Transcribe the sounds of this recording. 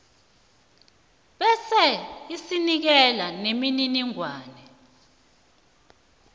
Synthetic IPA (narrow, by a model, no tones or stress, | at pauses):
ɓɛsɛisinik̬ɛlanemininiŋwaːnɛ